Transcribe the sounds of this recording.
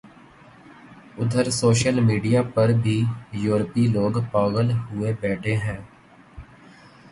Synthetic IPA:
ʊd̪ʱəɾsoːʃəlmiːɖijaːpəɾbʱiːjuːɾpiloːɡpaːɡəlɦʊeːbɛːʈʰeːɦɛ̃ː

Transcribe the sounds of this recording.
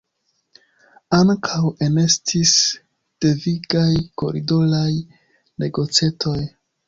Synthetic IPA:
aŋkʰawe̞ne̞stʰis | d̥e̞viɡajko̞̰ɾido̞laj | ne̞ɡo̞t͡setʰo̞j

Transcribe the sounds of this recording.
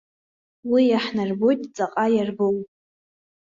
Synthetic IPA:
wijaħnarbo̞jtʼt͡sʼaqʼajarbowʼ

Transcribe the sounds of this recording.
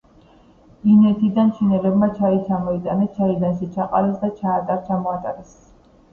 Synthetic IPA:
vinɛt̪ʰid̪ant͡ʃʰinɛlɛbmat͡ʃʰait͡ʃʰamɔit̪ʼanɛst͡ʃʰaid̪anʃit͡ʃʰaqʼaɾɛsd̪at͡ʃʰaːt̪ʼaɾt͡ʃʰamɔat̪ʼaɾɛs

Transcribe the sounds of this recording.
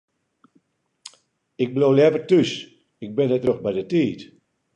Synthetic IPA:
ɪk̚blowljɛvərtys | ɪk̚bɪnətroxbɛjdətiːt

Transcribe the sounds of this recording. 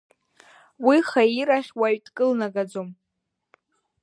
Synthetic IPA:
wiχaiɾaχʲwaɥtʼkʼɨlnaɡad͡zom

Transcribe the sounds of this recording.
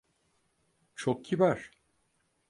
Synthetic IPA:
t͡ʃʰok̚ɟibæɾ̥

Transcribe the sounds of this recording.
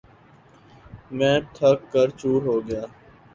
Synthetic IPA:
mɛ̃ːʈʰəkːəɾt͡ʃuːɾɦoːɡɪjaː

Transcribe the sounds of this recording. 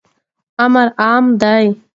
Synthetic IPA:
ɐmɐɾaːmd̪aj

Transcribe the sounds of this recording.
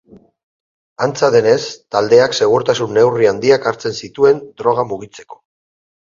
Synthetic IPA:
ant͡saðe̞ne̞st̪ald̪e̞akse̞ɣ̞uɾt̪asunːe̞wriand̪iakaɾt͡se̞nsit̪ue̞nd̪ɾo̞ɣ̞amuɣ̞it͡se̞̥ko̞̥

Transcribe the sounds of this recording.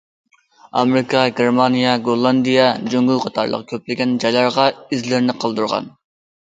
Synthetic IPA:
ɑ̰mɾɪkʰɑɡʲeɾmɑnijɑɡolˠːɑnd̪ijɑd͡ʒøŋɡylˠqʰɑt̪ʰɑ̰ɾlˠə̰qkʲʰøplɪɡʲɛnd͡ʒɑjlˠɑɾʁɑizlɪɾnɪqʰəlˠd̪uɾʁɑ̰n

